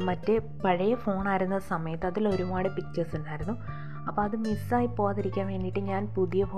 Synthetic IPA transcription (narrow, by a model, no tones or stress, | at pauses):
mɐtːe | pɐɻɐjɐfo̞ːɳaːjiɾunːɐsɐmɐjɐt̪ːɨɐðilo̞ɾumaːɽepit͡ɕːesuɳɖaːjiɾunːu | ɐpːoːɐðɨmisaːjipːo̞ːaːðiɾikʲːaːnʋe̞ːnːiʈːɨɲaːnpuðijɐfo